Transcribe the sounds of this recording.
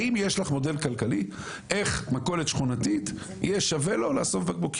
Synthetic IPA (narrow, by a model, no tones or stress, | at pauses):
imjeʃlaχmo̞de̞lkalkali | ʔe̞χmako̞let̪ʃχunatit̪ | jeʃavelo̞laːsofbebok